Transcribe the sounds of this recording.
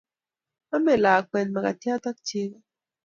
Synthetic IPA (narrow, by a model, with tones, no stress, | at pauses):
a˦mɛ˨la˨kwɛ˨nma˨ka˨t̪ja˦t̪a˦k̚t͡ʃi˦ka˦